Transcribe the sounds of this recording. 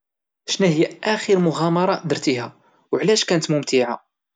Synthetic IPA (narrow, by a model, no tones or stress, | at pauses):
ʃnæhəjːæʔæxiɾmʊɣɑmɑɾˤɑd̪əɾt̪ihæ | wʕlæʃkænət̪mʊmt̪iʕa̰